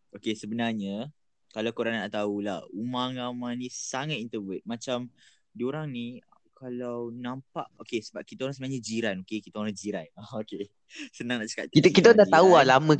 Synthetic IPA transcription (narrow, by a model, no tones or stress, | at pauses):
okesəbənarɲə | kalawkoɾanaʔt̪aula̰humaŋlamanĩsaŋat̪int̪əvət̪̚mãt͡ʃam | dioɾaŋnikalawnãmpa̰ʔokesəbap̚kit̪aoɾaŋsəbənaɲãd͡ʒiɾanokekit̪aoɾaŋd͡ʒiɾanaoke | sənãŋnaʔt͡ʃə̥ka̰ʔkit̪əkit̪ad̪aʔ̪aualamə̃